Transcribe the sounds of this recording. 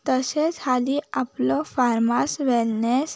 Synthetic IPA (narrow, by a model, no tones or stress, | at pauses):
t̪əset͡saliaplofʰaɾmasʋelnes